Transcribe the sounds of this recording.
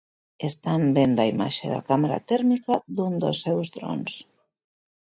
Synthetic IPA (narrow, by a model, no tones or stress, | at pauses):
est̪ambend̪ɐima̰ʃḛða̰kameɾa̰t̪ɛɾmikaðund̪o̰sːɛwzðɾo̰ns